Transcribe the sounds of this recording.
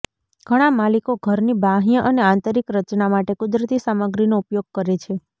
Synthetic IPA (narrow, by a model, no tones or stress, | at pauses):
ɡ̥ʱəɽ̃amalikoɡʱəɾnibʱaɦjəʔəneãnt̪əɾikɾət͡ʃnamaʈekʊd̪ɾət̪isaməɡɾinoupjoɡ̚kəɾet͡ʃʰe